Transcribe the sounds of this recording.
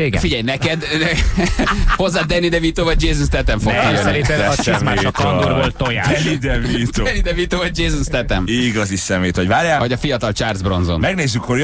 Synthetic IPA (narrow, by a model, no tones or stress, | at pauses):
efiɟɛjnɛkɛd̪ɛ | ho̞zːaːd̪ɛnid̪ɛvit̪oːvɒɟ̚d͡ʒeːzunst̪ɛt̪ɛɱfoɡijønɛiɾeɛɛɛmaʃt̪ɒŋoɾbolt̪oja̰ɛnid̪ɛvit̪onid̪ɛvit̪oːvɒɟ̚d͡ʒeːzunst̪ɛt̪ɛmiɡɒzisɛmejt̪ho̞ɟvaːɾjaːvɒɟɒfijɒt̪ɒlt͡ʃaːrzbro̞nzo̞̰nmɛɡneːzːykhoɾj